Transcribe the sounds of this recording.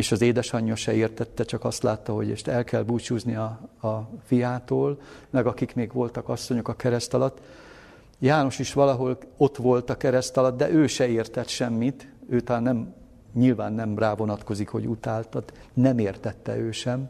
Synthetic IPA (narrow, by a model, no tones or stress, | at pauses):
eːʃɒzeːd̪ɛʃɒɲːɒʃɛeːrt̪ɛt̪ːɛt͡ʃɒkɒst̪laːt̪ːɒɦo̞̰ɟeːʃt̪ɛlkɛlbuːt͡ʃuːzniɒː | fijaːt̪oːlmɛɡɒkikmeːɡʋo̞lt̪ɒkɒsːo̞ɲo̞kɒkɛɾɛst̪ɒlɒt̪ː | jaːno̞ʃiʃʋɒlɒɦo̞lo̞t̪ʋo̞lt̪ɒkɛɾɛst̪ɒlɒt̪̚d̪ɛʔøːʃɛeːrt̪ɛt̪ʃɛmːit̪øːt̪ɒlaːnːɛm | ɲilvaːnːɛmraːvo̞nɒt̪ko̞zikho̞̰ɟut̪aːlt̪ɒd̪nɛmeːrt̪ɛt̪ːɛ̰øːʃɛm